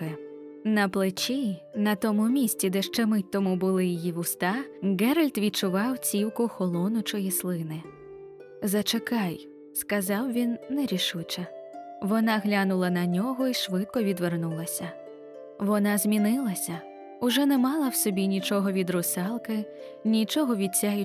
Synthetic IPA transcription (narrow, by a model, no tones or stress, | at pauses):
ɪnɐplˠɪt͡ʃinɐt̪ɔmʊmʲisʲt͡sʲid̪ɛʃt͡ʃɛmɪt̪ːɔmubʊlˠɪjijiʋʊst̪ɑɡɛɾɐlʲt̪ʋʲit͡ʃʊʋɑwt͡sʲiwkʊxɔlˠɔnʊt͡ʃɔjislˠɪnɪ | zɐt͡ʃekɑj | skɐzɑwʋʲinːɛɾʲiʃut͡ʃɐʋɔnɑɦlʲanʊlˠɐnɐnʲɔɦɔiʃʋɪt̪̚kɔʋʲid̪ʋernulˠɐsʲɐ | ʋɔnɑzʲmʲinɪlˠɐsʲɐ | ʊʒɛnɛmɑlˠɐwsɔbʲinʲit͡ʃɔɦɔʋʲid̪ɾʊsɛlˠkɪ | nʲit͡ʃɔɦɔʋʲit͡sʲajʊ